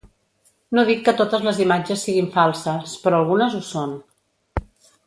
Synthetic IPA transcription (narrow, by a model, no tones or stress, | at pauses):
noðikːət̪ot̪əzləzimad͡ʒəsːiɣiɱfalˠsəspɾɔːlˠɣunəzuson